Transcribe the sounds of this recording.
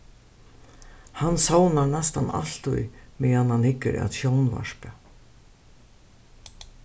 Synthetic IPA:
hansawnanɛst̪ana̰l̥t̪ʊ̰jmɛːanhanhɪkːɪɾa̰ðsjownva̰ʂpa

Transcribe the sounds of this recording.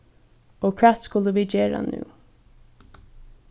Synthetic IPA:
oːkʰvæːt̪skʊləʋiːd͡ʒeːɹa̰nʉ̰ː

